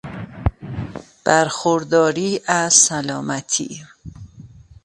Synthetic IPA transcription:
b̥æɾxoɾd̪ɒːɾiːʔæzsælɒːmæt̪ʰḭː

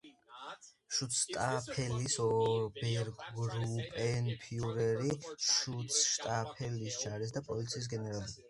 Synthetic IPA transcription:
ʃut̪st̪ʼapʰɛlisɔbɛɾɡɡɾupʼɛnpʰiuɾɛɾiʃut̪sʃt̪ʼapʰɛlist͡ʃaɾɛs̬d̪apʼɔlit̪sʰiːs̬ɡɛnɛɾalibi

